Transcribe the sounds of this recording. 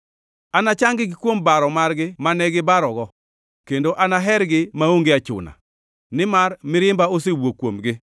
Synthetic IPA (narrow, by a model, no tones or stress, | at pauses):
anat͡ʃaŋɡɪɡɪkwombaɾɔmarɡɪmanɛɡɪbaɾɔɡɔ | kendoʔanaɦɛɾɡɪmaoŋɡeat͡ʃʊ̰na̰ | nɪmarmɪɾɪmbaosewokwomɡɪ